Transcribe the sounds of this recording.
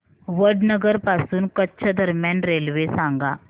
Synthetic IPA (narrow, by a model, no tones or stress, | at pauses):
ʋəɾɖnəɡəɾpasuːnkətːɕʰəd̪ʱəɾmjanɾelʋesãŋɡaː